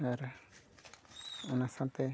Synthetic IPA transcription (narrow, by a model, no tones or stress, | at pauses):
aɾ | unasãt̪ɛ